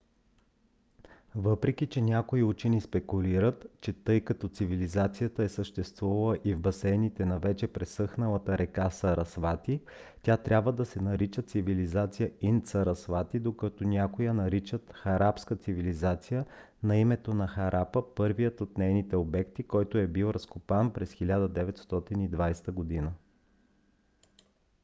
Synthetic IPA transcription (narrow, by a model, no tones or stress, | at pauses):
vɤpɾɛkʲit͡ʃɛnʲakoiut͡ʃɛnispɛkuliɾət̪t͡ʃɛt̪ɤjkɐt̪ɔt̪sivilizat̪sijət̪əɛsəʃt̪ɛst̪vuvɐlˠəʔivbɐsɛnit̪ɛnɐvɛt͡ʃɛpɾɛsɤxnəlˠət̪əɾɛkasəɾɐsvat̪i | t̪ʲat̪ɾʲabvəd̪ɐsɛnɐɾit͡ʃət̪sivilizat̪sijəint̪sɐɾɐsvat̪id̪okət̪onʲakʊjənɐɾit͡ʃət̪xɐɾapskət̪sivilizat̪sijə | nɐimɛt̪onɐxɐɾʔapəpɤɾvijət̪ot̪nɛjnit̪ɛobɛkt̪ikɔjt̪oɛbilˠɾɐskopanpɾɛsxilʲad̪əd̪ɛvɛt̪st̪ɔt̪inid̪vajst̪əɡod̪inə